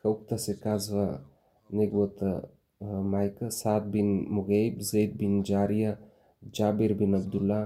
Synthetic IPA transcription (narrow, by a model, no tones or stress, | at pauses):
kɐwk̚t̪ɐsekazʋɐ | neɡwot̪ɐ | maːjkɐsaːt̪̚binmuɣejbzɐjd̪̚bind͡ʒaːɾija | d͡ʒaːbiɾbinɐb̚d̪ulːa